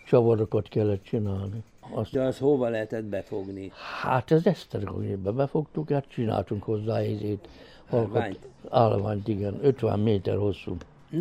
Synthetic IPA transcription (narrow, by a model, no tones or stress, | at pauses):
t͡ʃɒʋɒd̪okɒt̪kɛlːɛt̪t͡ʃinaːlni | ɒsshoʋɒlɛɦɛt̪ɛd̪bɛfoɡnihat̪ɛzɛst̪ɛrɡo̰ɡeːbɛbɛfo̞kt̪ukhat̪t͡ʃina̰ːlt̪uŋkho̞zːaːezeːt̪ | ɒlkoaːlʋa̰ːɲt̪iɡɛnøt̪ʋɛ̰mmeːt̪ɛ̰rho̞sːu